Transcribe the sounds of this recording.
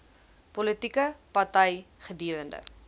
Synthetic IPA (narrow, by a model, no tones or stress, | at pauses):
pɔlətikəpɐrtəjχədiəɾəndə̰